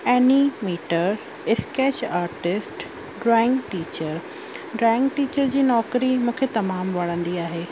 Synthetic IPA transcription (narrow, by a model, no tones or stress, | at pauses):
ɛːnimiːʈəɾ | ɪskeːt͡ɕaːɾʈɪsʈ | ɖɾɔːɪ̃ŋɡʈiːt͡ɕəɾ | ɖɾɔːɪ̃ŋɡʈiːt͡ɕəɾd͡ʑiːnɔːkɾimũːkʰet̪ɐmaːmʋɐɽ̃ə̃nd̪iaːɦeː